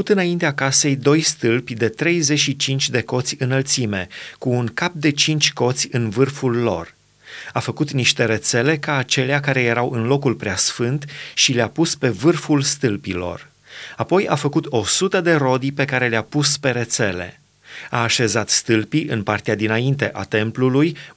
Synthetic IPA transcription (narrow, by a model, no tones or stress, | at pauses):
ut̪ɨnaint̪eakase̞jd̪o̞jst̪ɨlpʲd̪e̞t̪ɾe̞jze̞ʃit͡ʃint͡ʃʲd̪e̞ko̞t̪sʲɨnəlt̪sime̞kuːnkap̚d̪e̞t͡ʃint͡ʃʲko̞t̪sʲɨnvɨrfulːo̞̰r | afəkut̪niʃt̪e̞ɾe̞t̪se̞le̞kaːt͡ʃe̞leak̬aɾe̞je̞ɾawʔɨnlo̞kulpɾeasfɨnt̪ʃileapuspe̞vɨrfulst̪ɨlpilo̞̰r | apo̞ja̰fəkut̪o̞sut̪əd̪e̞ɾo̞d̪ipe̞kaɾe̞leapuspe̞ɾe̞t̪se̞lḛ | aːʃe̞zat̪st̪ɨlpiʔɨnpart̪ead̪inaint̪e̞ʔat̪e̞mpluluj